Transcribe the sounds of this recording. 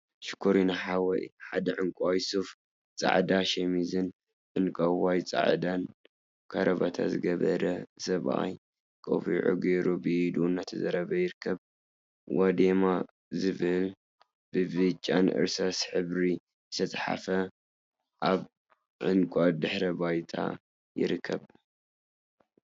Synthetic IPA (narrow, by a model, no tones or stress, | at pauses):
ʃɨ̥kʰoɾinaħawɐʔħad̪ɐʕɨŋkʷʼajsuf | t͡sʼa̰ʕd̪aʃɛmizɨn | ʕɨnkʼawajt͡sʼa̰ʕd̪an | kʰaɾɐβat̪ʰa̰zɨɡɐβɐɾɐsɐβʔa̰j | kʼo̰βiʕṵɡeɾubɨd̪unːat̪ʰɐzɐɾɐβɐjɪɾɨkʰːɐβ | wad̪ema | zɨβɨl | b̥ɨbɨt͡ʃʼːanʔɨ̰ɾsasħɨβɾi | zɨt̪ʰɐsʼħa̰fɐ | ʔaβ | ʕɨnkʼad̪ɨħɾɐbajt̪ʰa̰ | jɪ̰ɾɨkʰːɐβ